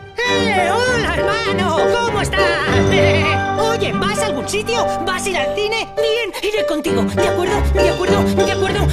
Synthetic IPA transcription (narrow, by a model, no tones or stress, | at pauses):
olaeɾmanokomoest̪a | oʝebasalɣunsit̪jobasiɾalθine̞nieniɾekont̪iɣod̪eakweɾðod̪eakweɾðod̪akweɾðo